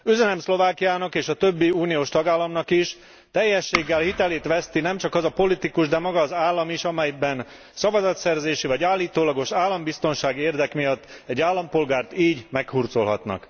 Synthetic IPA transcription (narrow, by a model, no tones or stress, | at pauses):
øzɛnɛmslo̞vaːkijaːnɒkeːʃɒt̪ø̞bːiuːnijoːʃt̪ɒɡaːlːɒmnɒkiʃ | t̪ɛjːɛʃːeːɡːɛlhit̪ɛleːt̪ʋɛst̪inɛmt͡ʃɒkɒzɒpo̞lit̪ikuʒd̪ɛmɒɡɒːzaːlːɒmiʃɒmɛjbɛn | sɒvɒzɒt̪sɛrzeːʃivɒɟaːlːiːt̪oːlɒɡo̞ʃaːlːɒmbist̪o̞nʃaːɡeːrd̪ɛkmijɒt̪ːɛɟːaːlːɒmpo̞lɡaːrt̪iːɟmɛkhurt̪so̞lɦɒ̰t̪nɒ̰k